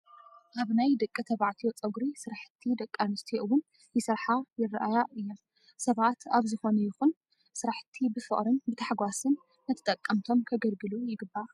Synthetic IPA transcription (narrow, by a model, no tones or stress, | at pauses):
ʔaβnajd̪ɐkʼːɨt̪ʰɐβaʕt̪ʰijot͡sʼɐɡɾisɨɾaħɨ̥t̪ʰːid̪ɐkʼːanɨst̪ʰiʔɨwʊn | jɪsɨɾħajɪrːʔajaɨjːom | sɐβat̪aβzɨxo̞nɐjɪxun | sɨɾaħt̪ʰːibɨfɨχʼɾɨnbɨt̪ʰaħɡʷasɨnː | ɐt̪ʰɨ̥t̪ʼɐkʼːɐmt̪ʰo̞mkʰɐɡɐlɡɨlujɪɡɨbːa